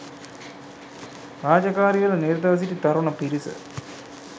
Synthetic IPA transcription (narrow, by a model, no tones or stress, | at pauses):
raːd͡ʑɐkaːɾijɐlneːɾt̪ɐʋɐs̬itːit̪ɐɾuɳɐpiɾisɨ̰